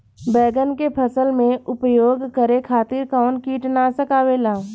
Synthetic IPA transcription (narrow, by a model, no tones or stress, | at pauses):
bɛːɡənkepʰəsəlmẽʔʊpjoːɡkəɾekʰaːt̪ɪɾkɔːnkiːʈnasəkaːwelaː